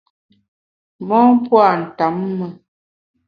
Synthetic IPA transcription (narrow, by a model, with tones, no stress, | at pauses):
mɔ˦m˦pwa˦˨n̩˨ta˨˦mːə˨